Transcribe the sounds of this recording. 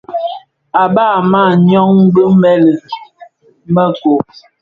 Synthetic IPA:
a˨ba˦˨ma˦˨ɲɔ˦ŋ̩˦bə˦m̩˦bɛ˦lə˨ | mə˦ko˨

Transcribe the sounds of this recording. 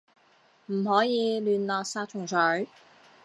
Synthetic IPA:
m̩˨˩hɔː˨˥jiː˨˧lyː˨nlɔː˨˧k̚saː˧t̚t͡sʰʊ˨˩ŋsʰœ˨˥ɥ

